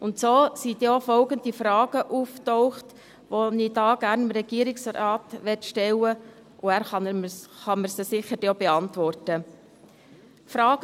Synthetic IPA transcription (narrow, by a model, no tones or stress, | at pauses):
ʊntsoːsit̪joːfɔlɡəndifɾɑːɡ̥əʔuːftɔʊχt | ʋonid̥ɑːɡ̥æɾnəmɾɛɡ̥iːəɾiksɔɾɑːtʋɛtʃtɛlə | ʔʊæːɾχɑnmχɑməɾsəsɪχədob̥ɛɑntʋɔrtə | fɾɑːɡ